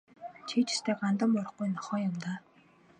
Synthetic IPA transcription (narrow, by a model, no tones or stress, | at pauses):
t͡ɕʰiːt͡ɕʰɪ̥st̪ʰeːɢant̪ə̆mɔɾɞ̆χɡujnɔχɔːjʊmt̪aː